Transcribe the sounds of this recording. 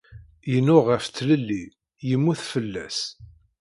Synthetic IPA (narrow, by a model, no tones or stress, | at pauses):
jənːʊʁəft͡s̪ːləlːi | jəmːuθfəlːæ̰s